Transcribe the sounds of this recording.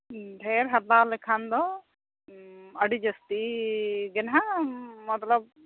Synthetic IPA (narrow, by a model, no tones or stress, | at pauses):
ɖʱeːɾɦɐt̪ːaːlɛkʰand̪ɔ | ɐɽid͡ʒɐst̪iɡɛnɦamɐt̪lɐb̚